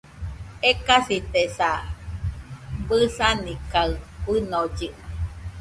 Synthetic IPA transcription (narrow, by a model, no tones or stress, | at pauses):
ekasit̪esa | bɨsanikaɨbɨnod͡ʒɨʔ